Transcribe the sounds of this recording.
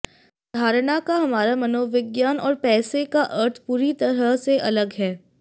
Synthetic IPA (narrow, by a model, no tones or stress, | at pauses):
d̪ʱaːɾɽ̃akaɦɐmaːɾamɐnoːʋɪɡjaːnɔːɾpɛːsekaʔəɾt̪ʰpuːɾit̪ɐɾəɦseʔɐləɡɦɛː